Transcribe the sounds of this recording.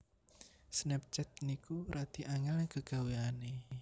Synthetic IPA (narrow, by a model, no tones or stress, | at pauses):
snɛp̚t͡ʃɛt̪̚nikuɾʔad̪̥i̤ʔaŋɛlɡ̥əɡ̥a̤weane